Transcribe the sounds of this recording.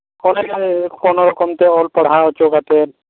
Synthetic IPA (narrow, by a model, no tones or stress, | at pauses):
kɔnekkɔnɔɾɔkɔmt̪eɔlpəɽ̤aɔt͡ʃoɡat̪eɾ